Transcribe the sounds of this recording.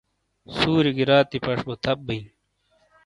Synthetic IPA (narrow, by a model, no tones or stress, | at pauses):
suːɾiɡiɾaːt̪ipɐʂbot̪ʰɐb̚bːɐi